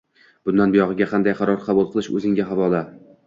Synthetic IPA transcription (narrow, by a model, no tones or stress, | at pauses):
b̥ʊnd̪anbɪjɒʁɨɡʲaqʰɑnd̪ajqʰɑɾɒɾqʰɑbulˠqʰɨlˠɪʃɵ̰zɪŋɡʲaɦavɒla